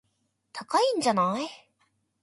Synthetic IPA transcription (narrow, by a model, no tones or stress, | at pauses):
t̪ʰakaĩɲ̟d͡ʑanai